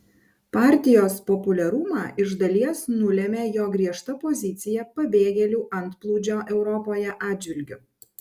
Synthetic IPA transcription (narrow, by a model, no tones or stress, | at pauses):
pɑːˑɾʲt̪ʲɪjoːspɔpʊlʲɛɾʊmɑːʔɪʒd̪ɐlʲiɛsnʊlʲɛmʲeːjoːɡɾʲiɛʃt̪ɐpɔzʲɪt̪sʲɪjɛpɐbʲeːɡʲɛlʲuːʔɐnˑt̪plˠuːd͡ʒʲoːʔɛʊɾɔpoːjɛʔɑːdd͡ʒʲʋʲɪlʲɡʲʊ